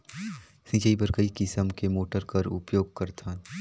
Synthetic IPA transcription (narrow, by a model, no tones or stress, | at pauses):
sĩːt͡ʃəipɐɾkɐikɪsəmkemoːʈəɾkɐɾʊ̰pjoːɡ̚kɐɾt̪ʰã